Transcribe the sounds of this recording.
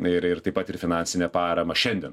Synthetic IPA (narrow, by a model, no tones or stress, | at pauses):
ɪɾɪɾt̪ɐɪpɐt̪ɪɾfʲɪnɑːnʲsʲɪnʲɛːpɑːɾɐmɐʃʲɛnʲd̪ʲɛn